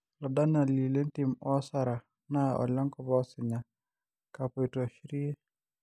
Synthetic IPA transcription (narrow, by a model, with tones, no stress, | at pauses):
lɔ˨da˦na˨li˨le˦nti˨mɔ˦sa˦ɾa˨ | na˦ʔɔ̰˨lɔ˦ŋkɔ˨bɔ˦sɪ˨ɲa˨ | ka˨pɔ˨i˨tɔ˨ʃi˦ɾi˦e˦